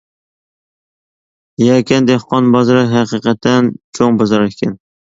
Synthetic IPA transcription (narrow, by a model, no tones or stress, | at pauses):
jɛkʲʰɛnd̪ehqʰɑnbɑzɾɑɦæqiqʰɛt̪ʰːɛnt͡ʃʰoŋbɑzɑɾkʲʰɛn